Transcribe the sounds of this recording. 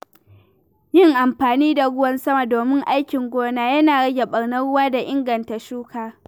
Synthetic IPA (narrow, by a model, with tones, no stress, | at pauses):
jɪ˦˨ŋʔa˨mɸaː˨niː˦da˨ɽʊ˦wɐ˦nsɐ˦ma˨doː˨mɪ˦ŋʔa˦jkʲɪ˨ŋɡʷoː˦naː˦jɐ˦naː˨ɽɐ˦ɡʲɛ˨ɓɐ˨ɽnɐ˦ɽʊ˦waː˦da˨ʔɪ˦ŋɡɐ˨nta˨ʃuː˦kaː˨